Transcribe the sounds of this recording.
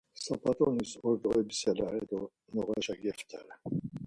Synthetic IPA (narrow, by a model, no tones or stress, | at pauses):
sapat̪ʼɔnisɔɾd̪ɔɛbisjalaɛd̪ɔ | nɔʁaʒaɡɛft̪ʰaɾɛ